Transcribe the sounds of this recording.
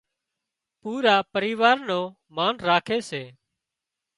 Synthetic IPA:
puːɾaːpəɾiːʋaːɾnõː | maːnɾaːkʰeːseː

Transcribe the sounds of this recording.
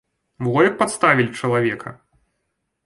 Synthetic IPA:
mɣɔjʲɐk̚pat̪st̪avʲilʲt͡ʂɐlˠavʲɛkɐ̰

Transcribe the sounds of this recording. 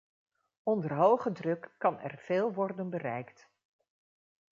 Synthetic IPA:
ɔndərɦowχədrɵkːɑnɛ̰rv̥eːlˠʋɔrdənbərɛjkt

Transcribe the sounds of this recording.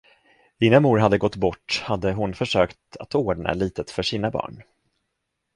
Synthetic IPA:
ɪːnamuːɾɦad̪ːəɡɔt̪ːbɔʈːhad̪ːəɦʊnfœʂøːkt̪at̪oːɖɳa̰liːt̪ət̪fœʂiːnabɑ̰ːɳ

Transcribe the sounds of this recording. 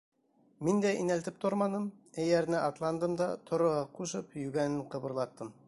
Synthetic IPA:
mind̪æinælt̪ɘp̚t̪oɾmɑnɤmæjæɾnɘʔɑt̪lˠɑnd̪ɤmd̪ɑt̪ʰŏɾŏʁɑquʃɤpjʉɡænɘɴqɤ̆βɤ̆ɾlˠɑt̪ːɤm

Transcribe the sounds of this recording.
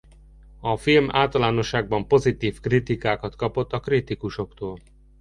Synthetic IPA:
ɒfilmʔa̰ːlt̪ɒlaːno̞ʃːaːɡ̚bɒmpo̞zit̪iːfkrit̪ikaːkɒt̪kɒpo̞t̪ːɒkrit̪ikuʃo̞kt̪oːl

